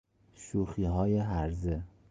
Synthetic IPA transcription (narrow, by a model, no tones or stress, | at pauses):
ʃuxiːɦɒːjeɦæɾze